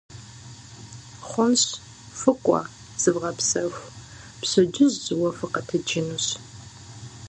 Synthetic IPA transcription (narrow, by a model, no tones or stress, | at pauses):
χʷʊnɕ | fɨkʷʼɑ̰ | z̥ɨvʁɐpsɐxʷ | pɕɨd͡ʒɪʑzɨwɐfɨqɐtʰɨd͡ʒɪnuɕ